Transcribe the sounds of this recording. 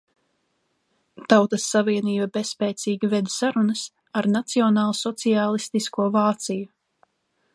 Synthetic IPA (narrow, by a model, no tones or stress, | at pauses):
t̪awt̪ɐsːaviɛniːbabespɛːt̪siːɡʲivɛd̪saɾunəs | aɾnat̪siɔnɑːlˠsɔt̪siaːlˠist̪iskuɔvaːt̪siju